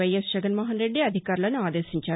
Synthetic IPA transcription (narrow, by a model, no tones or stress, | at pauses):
ɐjɐsd͡ʒɐɡɐnmɐɦɐnɾeɖːiɐd̪ʱikaːɾilɐnuaːd̪eːsiɲt͡ɕaː